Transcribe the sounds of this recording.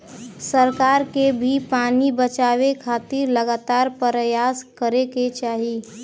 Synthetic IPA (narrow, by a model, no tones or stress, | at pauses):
səɾkaːɾkebʱipaːnibət͡ʃaːwekʰaːt̪ɪɾləɡaːt̪aːɾpəɾəjaːskəɾeket͡ʃaːɦi